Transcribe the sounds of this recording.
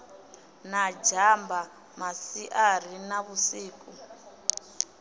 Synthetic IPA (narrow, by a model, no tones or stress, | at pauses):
nad͡ʒambʱa | masiʔar̤inaβusiːku